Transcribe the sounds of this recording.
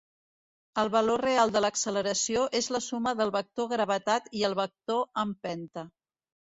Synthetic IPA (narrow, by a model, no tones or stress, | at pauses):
əlˠβəlorealˠd̪ələksələɾəsioʔezləsuməðəlˠβək̚t̪oɣɾəβ̞ət̪at̪iəlˠβək̚t̪oəmpɛnt̪ə